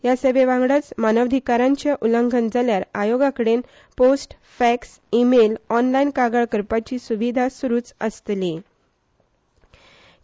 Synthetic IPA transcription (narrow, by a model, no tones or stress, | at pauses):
jasəʋeʋãŋɡɽət͡smanəʋd̪ʱikaɾãɲt͡ɕjaʔuləŋɡʱənd͡zaljaɾajoɡakəɽen | posʈ | fɛks | imelɔnlainkaɡəɭkəɾpat͡ɕiːsuʋid̪ʱasuɾuːt͡səst̪li